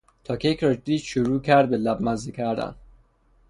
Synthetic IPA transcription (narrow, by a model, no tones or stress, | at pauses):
t̪ʰɒːkʰekʰɾɒd͡ʒd̪iːd̪ʃoɾuːcʰæɾd̪̚belæbmæzikʰæɾd̪æ̰n